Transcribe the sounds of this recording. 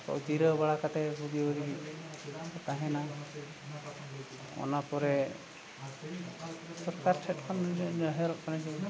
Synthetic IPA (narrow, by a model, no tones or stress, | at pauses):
kɔ̰ʔd͡ʒiɾəbaɭakat̪ɛbub̪iɔɾi | t̪aɦɛna | ɔ̰napɔɾɛ | sɔɾkaɾt͡ʃʰɛʈ̚kʰɔnɦɛlɔʔkanad͡ʒi